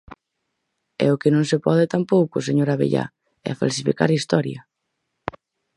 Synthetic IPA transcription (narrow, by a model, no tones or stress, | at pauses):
ɛ̰ʊkɪnõŋsepɔðɪt̪ampowkʊs̬eɲoɾaβḛʎa̰ | ɛ̰fa̰lsifḭka̰ɾaist̪ɔɾjɐ